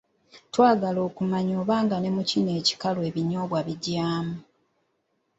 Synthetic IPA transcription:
twaːɡalo̞ːkumaɲo̞ːβaːŋɡane̞mucine̞ːci̥kalwe̞ːβiɲo̞ːβwaβiɟaːmu

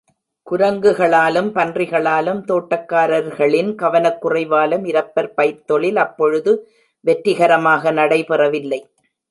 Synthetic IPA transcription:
kʊɾɐŋɡɯɣɐɭaːlɯmpɐndrɪɣɐɭaːlɯmt̪oːʈːɐkːaːɾɐɾɣɐɭɪnkɐʋɐnɐkːʊrɐɪʋaːlɯmɪɾɐpːɐɾpɐjɾt̪ɔɭɪlɐpːɔɻɯðɯ | ʋɛʈɾɪɣɐɾɐmaːɣɐnɐɽɐɪpɛrɐʋɪlːɐɪ

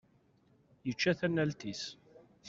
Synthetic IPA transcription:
jət͡ʃːæθænːælt̪is | θ

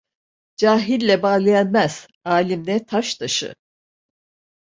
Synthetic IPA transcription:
d͡ʒaːɦilʲːɛbaːlˠajanmæz̥ | aːlʲimd̪ɛt̪ʰaʃt̪ʰaʃɯ̰

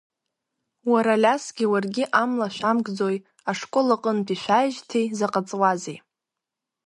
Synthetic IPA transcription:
waɾalʲasɡʲɪwarɡʲɪʔamlaʃʷᶣamɡd͡zo̞j | aʂkʷʼolaqʼənbiʃʷᶣajʒtʰejzaqʼat͡sʼwazej

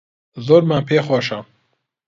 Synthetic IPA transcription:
zoɾmanpʰexɔːʃam

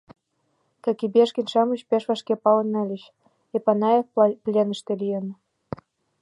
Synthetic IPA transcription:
kɑkibeʃkinʲʃɑmuɕpeʃβɑʃkepɑlə̆nə̆lʲəɕ | epɑnɑjefplʲenəʃt̪elʲijə̆n

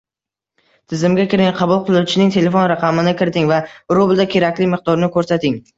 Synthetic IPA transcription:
t̪ʰɪzɪmɡʲakʲʰɪɾɪŋqʰɑbʊlˠqʰɨlˠʊt͡ʃʰɪnɪŋt̪ʰe̞le̞fonɾaqʰɑmɪnɪkʲʰɪɾɪt̪ʰɪŋvaɾʊbɪlˠd̪akʲʰe̞ɾakʲlɪmɪq̚d̪ɒɾɪnɪkʰɵɾsat̪ʰɪŋ

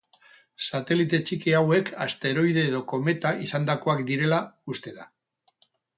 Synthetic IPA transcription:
sat̪e̞lit̪e̞t͡ʃikiawe̞kʰa̰st̪e̞ɾo̞jð̞e̞ːðo̞ko̞me̞t̪aʔisand̪ako̞akd̪iɾe̞laust̪e̞ða

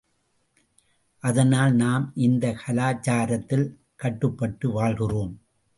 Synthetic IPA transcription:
ʔɐðɐnaːlnaːmʔɪnd̪ɐkʰɐlaːt͡ʃːaːɾɐt̪ːɪl | kɐʈːɯpːɐʈːɯʋaːɭɣɪroːm

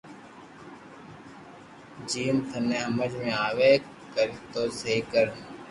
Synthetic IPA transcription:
d͡ʒiːmt̪ʰənẽːɦəməd͡ʒmẽːaːʋeː | kəɾit̪oːsəɦiːkəɾən

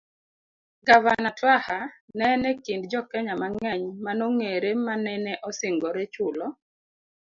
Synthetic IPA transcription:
ɡavanatwahanɛnɛkindd͡ʒɔkɛɲamaŋɛɲmanoŋeɾemanɛnɛʔɔsɪŋɡɔɾet͡ʃulɔ

